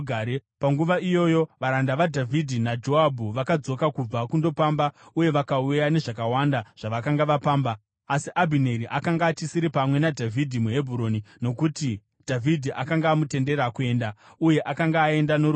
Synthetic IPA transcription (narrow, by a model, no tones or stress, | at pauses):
ɡʱaɾepaŋɡuʋaijo̞jo̞ʋaɾandaʋadʱavʱidʱinad͡ʒo̞ɦabʱuʋakad͡zo̞kakub͡vakundo̞pambauje̞ʋakaujane̞ʐakawandaʐ̥aʋakaŋɡaʋapaːmbaː | siʔabʱine̞ɾiʔakaŋɡaːt͡ʃisiɾipamwe̞nadʱavʱidʱimuɦe̞bʱuɾo̞nino̞kuti | dʱavʱidʱiʔakaŋɡaːmute̞nde̞ɾakue̞ːndauje̞ʔakaŋɡaːe̞ndano